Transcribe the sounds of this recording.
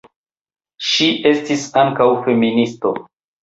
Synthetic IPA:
ʃiʔe̞stisaŋkawfe̞ministo̞̰

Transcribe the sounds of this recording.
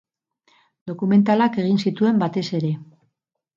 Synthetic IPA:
d̪o̞kume̞nt̪alake̞ɣ̞insit̪ue̞mbat̪e̞se̞ɾe̞

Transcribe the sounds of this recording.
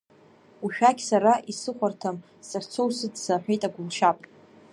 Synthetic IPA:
uʃᶣaɡʲsaɾaʔisɨχʷartʰam | sart͡sʰowsɨdsaħᶣejtʼaɡʷʊlʃapʼ

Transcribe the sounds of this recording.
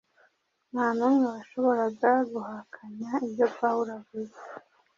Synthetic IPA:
naːnumŋeβaʃo̞βo̞ɾazaɡuhakʰaɲaibjo̞pawuɾavuza

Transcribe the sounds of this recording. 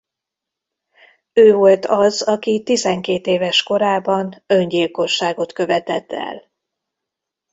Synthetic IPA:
øːvo̞lt̪ɒzɒkit̪izɛŋkeːt̪eːvɛʃko̞ɾaːbɒnø̞ɲɟilko̞ʃːaːɡo̞t̪kø̞vɛt̪ɛt̪ʰːɛ̰l

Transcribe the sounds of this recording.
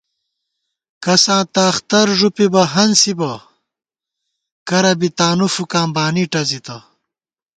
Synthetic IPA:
kɐsãːt̪ɐːxt̪ɐɾʐupibɐɦɐnsibɐ | kɐɾɐbit̪aːnufukaːmbaːniʈɐzit̪ɐ

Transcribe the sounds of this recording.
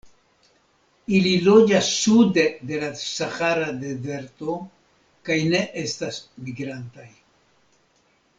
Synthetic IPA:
ililo̞d͡ʒasːud̪e̞d̪e̞lasaxaɾad̪e̞ze̞ɾt̪o̞ | kajne̞ʔe̞st̪asmiɡɾant̪aj

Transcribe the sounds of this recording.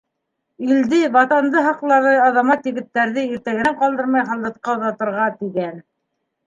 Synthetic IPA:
ɵld̪ɘβɑt̪ɑnd̪ɤɦɑqlˠɑɾðɤɑðɑmɑt̪jɘ̆ɡɘ̆t̪ːæɾðɘiɾt̪æɣɘ̆æɴqɑlˠd̪ɤɾmɑjχɑlˠd̪ɤ̆t̪̚qɑuðɑt̪ɤ̆ɾʁɑt̪iɡæn

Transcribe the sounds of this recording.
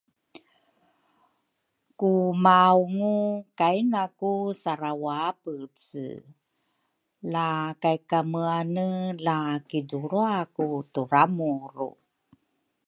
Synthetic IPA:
kumawŋukajnakusaɾawapət͡sə̰ | lakajkaməanəlakiduɾuakutuɾamuɾṵ

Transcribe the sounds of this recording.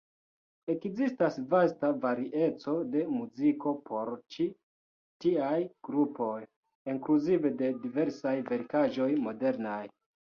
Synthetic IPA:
e̞kzistasvastavaɾiʔe̞t͡so̞de̞muziko̞pʰo̞ɾt͡ʃi | tiajɡ̥ɾupo̞j | iŋkluzive̞de̞dive̞ɾsajve̞ɾkaʒo̞jmo̞de̞ɾnaj

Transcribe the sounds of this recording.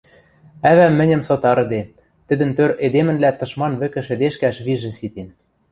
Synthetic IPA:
æβæmːɘ̆nʲɘ̆msot̪ɑɾɤ̆d̪e | t̪ɘ̆d̪ɘ̆nt̪øɾed̪emɘ̆nlæt̪ɤ̆ʃmɑnβɘ̆kɘ̆ʃɘ̆d̪eʃkæʃβiʒɘ̆sit̪en

